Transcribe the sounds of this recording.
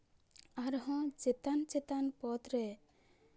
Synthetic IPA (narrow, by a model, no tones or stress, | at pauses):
aɾɦɔ̃d͡ʒet̪ant͡ʃet̪anpɔt̪ɾɛ